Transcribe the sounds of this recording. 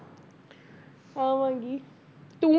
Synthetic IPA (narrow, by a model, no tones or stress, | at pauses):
aʋãŋɡi | t̪ũ